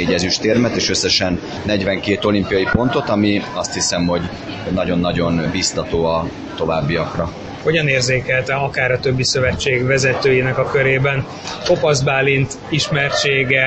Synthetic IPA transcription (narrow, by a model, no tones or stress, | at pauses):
eːɟɛzyʃt̪eːrmɛt̪eːʃø̞sːɛʃɛnː | ɛɟvɛŋkeːt̪o̞limpijɒjipo̞nt̪o̞t̪ɒmiɒst̪hisɛmɦo̞ɟ | nɒɟo̞nːɒɟo̞nbist̪ɒt̪oːɒ | t̪o̞va̰ːbːiɒkrɒ | ho̞ɟɒneːrzeːkɛlt̪ɛɒkaːɾɒt̪ø̞bːisø̞vɛt͡ʃːeːɡʋɛzɛt̪øːjinɛkɒkø̞ɾeːbɛn | po̞pɒzbaːlint̪ | iʃmɛrt͡ʃeːɡɛ